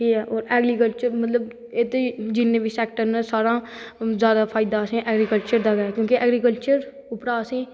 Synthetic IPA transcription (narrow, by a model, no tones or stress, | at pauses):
kiːɦɛːʔoːɾɛːɡɾiːkəlt͡ʃəɾmət̪ləb | eːt̪ed͡ʒɪnːẽbʱiːsɛːk̚ʈəɾnesaːɾãːzjaːd̪apʰaːɪd̪aːsẽːʔɛːɡɾikəlt͡ʃəɾd̪aːɡakjõːkiʔɛːɡɾiːkəlt͡ʃəɾ | ʊpɾaːəsẽː